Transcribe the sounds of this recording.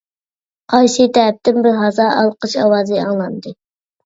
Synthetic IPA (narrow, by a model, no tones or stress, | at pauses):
qʰɑjʃit̪ʰɛɛp̚t̪ɪnbɪɾɦɑzɑːɑlˠqəʃɑwɑːzɨɑ̰ŋlˠɑnd̪ɨ